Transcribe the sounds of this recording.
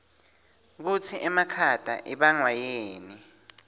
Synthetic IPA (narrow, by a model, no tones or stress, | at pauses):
k̬ut͡sʰiʔɛmakʰad̥ʱa̰ʔiɓaŋwajeːni